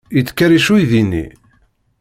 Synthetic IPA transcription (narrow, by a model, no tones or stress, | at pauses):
ət͡sːkːæɾiʃuiðinḭ